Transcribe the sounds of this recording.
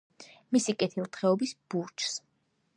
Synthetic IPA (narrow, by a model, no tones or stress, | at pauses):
misikʼɛt̪ʰilˠt̪ʰχɛɔbisb̥uɾt͡ʃʰs